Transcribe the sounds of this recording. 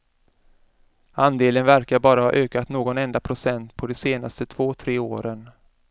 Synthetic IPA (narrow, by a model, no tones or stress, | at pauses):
and̪eːlənvæɾkaɾbɑːɾahɑ̰ːʔøːkat̪noːɡɔnɛnd̪apʰɾʊsɛnt̪pʰɔd̪ɛseːnast̪ət̪ʰv̥oːt̪ʰɾeːoːɾən